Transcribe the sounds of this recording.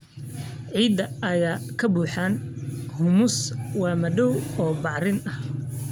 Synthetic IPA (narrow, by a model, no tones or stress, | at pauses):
ʕiːd̪ɐɐjaːkʰɐbuːħaːnhʊmʊswɑːmɐɖɔwɔːbɑʕrɪnɐh